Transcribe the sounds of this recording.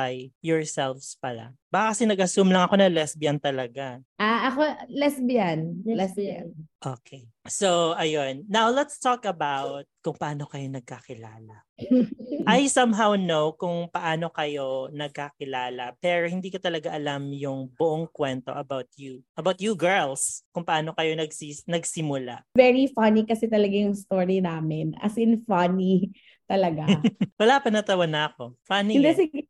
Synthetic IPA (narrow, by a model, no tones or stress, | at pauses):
ɐjjɔɹsɛlfspɐla̰baːkɐkɐsɛnɐɡɐsumlɐŋɐko̞nɐlɛsbɪjant̪ɐlɐɡaʔaʔɐkolɛsbianlɛsʔoːkʰesoʔɐjonːawlɛt̪st̪ɔkɐbawt̪̚kʊŋpɐʔaːno̞kɐjo̞nɐɡ̚kakɪlaːlɐ | ʔajsɐmɦawnowkʊŋpɐʔaːno̞kɐjonɐɡ̚kakɪlaːlɐpɛːɾohɪnd̪iːkot̪ɐlɐɡaʔɐlamjʊŋbʊʔoŋkwɛnt̪o̞̰ʔɐbawt̪̚juʔɐbawt̪̚juɡɛɹlskʊŋpɐʔaːno̞kɐjo̞nɐɡsinɐɡsɪmʊla̰vɛɹifɐnikɐsɛt̪ɐlɐɡajʊŋst̪oːɹinaːmɪnɐ̰sɪnfɐni | t̪ɐlɐɡawɐlapɐnɐt̪ɐwɐnɐɐko̞fɐnind̪ɛsɪ